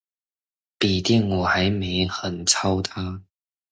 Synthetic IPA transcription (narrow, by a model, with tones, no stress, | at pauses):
pi˨˩t̪i˥˩ŋwɔ˨˩xa˨˥ɪme˧˥ɪxə˨˩nt͡sʰa˥ʊt̪ʰa˥